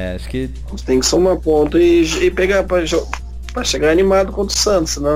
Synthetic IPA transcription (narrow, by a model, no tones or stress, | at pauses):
ɛa̰ʃʊ̥kɪkõst̪ẽj̃kɪ̥somapõnt̪ɐɪʒɪpɛɡapɾɐʒo | pɾɐʃeɡaɾɐnimad̪ʊkõnt̪ɾʊ̥sɐ̃t̪ʊsnɐ̃